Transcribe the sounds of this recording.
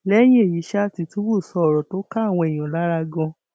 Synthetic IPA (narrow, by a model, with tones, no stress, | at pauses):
lɛ˦j̃ĩ˦e˦˨ji˨˦ʃɛ˦˧ti˧˨tu˦wo˦˨sɔ˦˨ɾɔ˨to˦ka˦˨w̃ɔ̃˧e˨j̃ã˨la˨˦ɾa˧ɡɔ̃˧